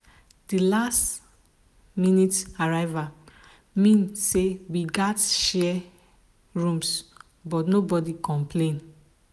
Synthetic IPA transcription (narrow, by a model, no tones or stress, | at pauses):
d̥ilast | minitaɹaɪva | mĩnsewiɡatʃɛ | ɹũms | bɔtnobɔdikɔ̃mpʰlẽn